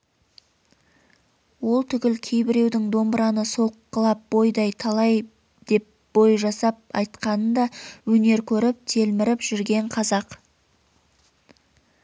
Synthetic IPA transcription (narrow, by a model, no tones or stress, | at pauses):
wo̞lˠt̪ʰʏɡʲɪlkʲʰe̞jbɪɾe̞wd̪ɪŋd̪o̞mbɾɑnəso̞qːəlˠɑp̚bo̞jd̪ɑjt̪ʰɑlˠɑj | d̪e̞p̚ | b̥o̞jʒɑsɑp̚ɑ̰jt̪qɑnənd̪ɑwɵne̞ɾkʲʰɵɾɪp̚t̪ʰe̞lmɪɾɪpʒ̥ʏɾɡʲe̞ɴqʰɑzɑq